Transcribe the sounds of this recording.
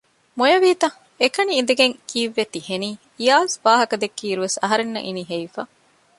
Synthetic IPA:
mojɐʋiːt̪ɐ | ekɐniːnd̪eɡeŋkiːʋːet̪iheniː | ijaːsʋaːɦɐkɐd̪ekːiːɾuʋesɐɦɐɾenːɐ̰ʔiniɦejfaː

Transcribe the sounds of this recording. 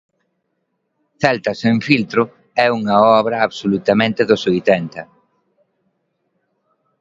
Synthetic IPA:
θɛlt̪ɐsẽɱfilt̪ɾʊ | ɛuŋɐɔβɾɐːβsolut̪ɐmẽnt̪ɪðʊsojt̪ɛnt̪ɐ

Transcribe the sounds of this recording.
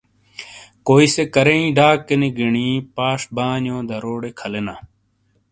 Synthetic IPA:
koːisekɐɾeĩːɖaːkːeniɡiɳiːpaːʂbaːnjõːd̪ɐɾoːɽeːkʰɐlena̰ː

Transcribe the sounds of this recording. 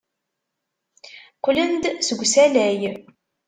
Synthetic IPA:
qʷːlənd̪səɡʷsælæj

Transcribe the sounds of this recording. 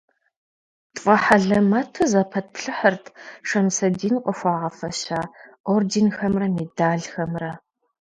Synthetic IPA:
tʼfʼɐħaɮɐmatʰozɐpʰɐt̚pɬɨħərtʰʂɐmsɐdiːnqʷʼɔxʷɑːʁɐfɐɕaːʔordenxɐmrɐmeːdaːɮxɐmrɐ

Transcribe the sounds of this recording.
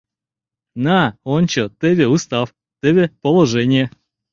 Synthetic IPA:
naonʲt͡ɕɔt̪ɛvʲeʊst̪af | t̪ɛvʲepəlˠɐʐɛnʲɪjə

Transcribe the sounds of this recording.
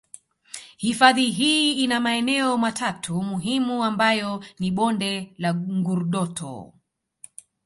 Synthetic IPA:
hifaðiɦiːinamaɛnɛɔmatʰatʰumuɦimuambajɔniɓɔndɛlaŋɡuɾuɗɔtʰɔ̰

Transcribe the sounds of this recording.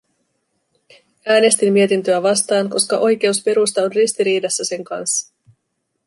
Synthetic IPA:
æːne̞st̪imːie̞t̪int̪ø̞æʋɑst̪ɑːŋko̞skɑʔo̞jk̟e̞uspe̞ɾust̪ɑo̞nrist̪iɾiːdɑsːæse̞ŋkɑ̰nsːɑ̥

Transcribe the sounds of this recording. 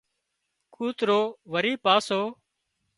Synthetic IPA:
kʰuːt̪ɾoːʋəɾiːpaːsoː

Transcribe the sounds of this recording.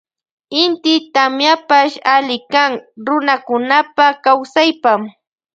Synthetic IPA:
ɪnt̪ɪt̪amjapaʃalɪkaŋɾʊnakʊnapakawsajpam

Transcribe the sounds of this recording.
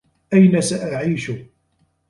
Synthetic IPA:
ʔæjnasaʔaʕiːʃʊ

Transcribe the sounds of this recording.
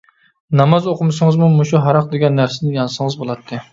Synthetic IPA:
nɑmɑzoqʰʊmɨsɨŋəzmumuʃuɦɑɾɑq̚d̪eɡʲɛnːæɾsɪnɪjɑnsɨŋəzbolˠɑt̪ʰːɨ

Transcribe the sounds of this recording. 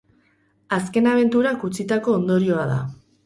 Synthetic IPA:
aske̞naβ̞e̞nt̪uɾakut͡sit̪ako̞ːnd̪o̞ɾio̞aða̰

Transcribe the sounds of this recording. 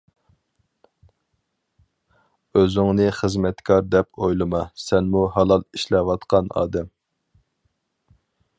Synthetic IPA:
øzyŋnɨχəzmɛt̪kʰɑɾd̪ɛpʰojlˠɨmɑsɛnmuɦɑlˠɑlˠiʃlɛwɑt̪qʰɑnɑ̰ːd̪ɛm

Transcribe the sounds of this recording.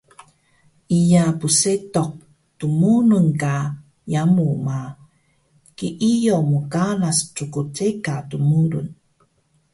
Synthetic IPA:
ʔijapusetɔk̚ | tumununka | jamuma | kiʔijomukanasʈ͡ʂukut͡sekatumuɾṵn

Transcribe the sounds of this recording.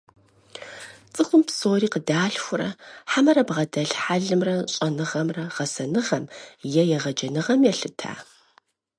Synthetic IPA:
t͡sʼɨxʷʊmpsoːɾiːqədaːɬxʷʊɾɐ̰ħamɐɾɐbʁɐdɐɬħaɮɨmrɐɕʼɐnɨʁɐmrɐʁɐsɐnɨʁɐmjɛjɛʁɐd͡ʒɐnɨʁɐmjɛɬɨtʰa̰ː

